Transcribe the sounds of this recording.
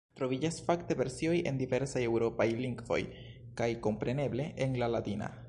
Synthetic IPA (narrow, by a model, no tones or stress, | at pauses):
t̪ɾo̞vid͡ʒasfakte̞ve̞ɾsio̞je̞̰nd̪ive̞ɾsaje̞wɾo̞pajliŋɡvo̞̰j | kajko̞mpɾe̞ne̞ble̞ʔenlalatina̰